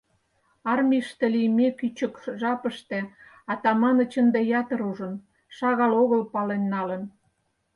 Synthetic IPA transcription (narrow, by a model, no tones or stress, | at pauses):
ɑrmʲiʃt̪elijmekyt͡ɕəkʒɑpəʃt̪e | ɑt̪ɑmɑnə̆t͡ɕənd̪ejɑt̪ə̆ɾuʒən | ʃɑɣɑloɣəlpɑlenːɑlən